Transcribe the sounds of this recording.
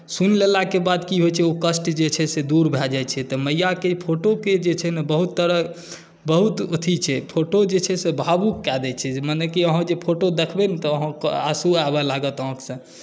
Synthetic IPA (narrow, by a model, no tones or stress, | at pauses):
sunlelakebad̪kiɦojt͡ʃʰɛokəsʈd͡ʒet͡ʃʰɛsed̪uɾbʱɛld͡ʒajt͡ʃʰɛt̪ɔməjːakepʰoʈoked͡ʒet͡ʃʰɛnebəɦut̪ːəɾə | bəɦut̪ot̪ʰit͡ʃʰɛpʰoʈod͡ʒet͡ʃʰɛsebʱabukkad̪ɛt͡ʃʰɛmənekiəɦə̃d͡ʒepʰoʈod̪ekʰbenit̪ɔəɦə̃ka̰suabɛlaɡət̪ɔ̃ksə̃